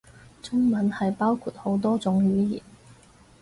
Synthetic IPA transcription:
t͡sʊ˥ŋmɐ˨˥nhɐ˨jpaː˥wkʰuː˧˩t̚ho˨˥wt̪ɔː˥t͡sʊ˨˥ŋɥyː˨˥jḭː˨˩n

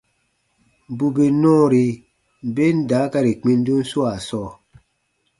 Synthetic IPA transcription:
bu˨be˨nɔ̃ː˦˨ɾi˨ | be˦n˦da˨˦ka˦ɾi˨k͡pi˦n˦du˦n̩˦su˦a˨sɔ˦˨

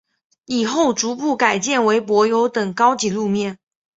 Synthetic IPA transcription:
i˨˩xo˥˩ʊʈ͡ʂu˧˥pu˥˩ka˨˩ɪt͡ɕjɛ˥˩nwe˧˥ɪpwɔ˧˥jo˧˥ʊt̪ɤ˨˩ŋkɑ˥ʊt͡ɕi˧˥lu˥˧mjɛ˥˩n

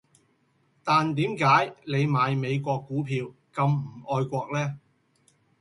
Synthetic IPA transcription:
t̪aː˨nt̪iː˨˥mkaː˨˥jle˨˧jmaː˨˧jme˨˧jkʷɔː˧kːuː˨˥pʰiː˨˧w | kɐ˧mm̩˨˩ʔɔː˧jkʷɔː˧k̚lɛː˥

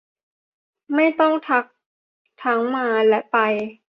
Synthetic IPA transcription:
ma˥˩jt̪ɔ˥˩ŋt̪ʰa˦˥k̚ | t̪ʰa˦˥ŋmaː˧lɛ˦˥pa˧j

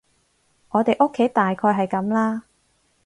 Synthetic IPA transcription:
ŋɔː˨˧t̪e˨jʔʊ˥kʰːe˨˥jt̪aː˨jkʰɔː˧jɦɐ˨jkɐ˨˥mlaː˥

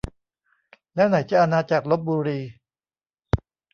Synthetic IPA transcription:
lɛː˦˥wna˩˦jt͡ɕa˨˩ʔa˧naː˧t͡ɕa˨˩k̚lo˦˥p̪̚buː˧ɾiː˧

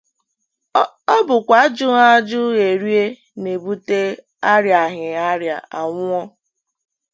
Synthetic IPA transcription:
ɔ˦bʊ˨kʷa˨˦d͡ʒʊ˦ŋa˦d͡ʒʊ˦ɣe˨ɾi˦e˦ | ne˨bu˦te˦ | a˦ɾja˨ɦɪ˨a˦ɾja̰˨a˨ŋʷ˦ɔ˦

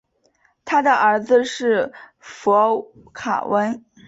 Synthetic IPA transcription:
t̪ʰa˥d̪ə˨ʔə˞˧˥d͡zɹ̩˧ʂɻ̩˥˩ | fɔ˧˥ | kʰa̰˨˩wə˥n

